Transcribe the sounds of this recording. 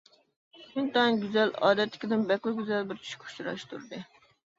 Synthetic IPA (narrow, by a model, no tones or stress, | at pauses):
ʃynt̪ɑnɡʲyzɛlɑ̰ːd̪ɛt̪lːɪ̥kʲid̪ɪnbɛqlˠɨɡʲyzɛlbɪɾt͡ʃʰy̥ʃkʲʰu̥ʃuɾɑ̰ʃt̪ʰṵɾd̪ɨ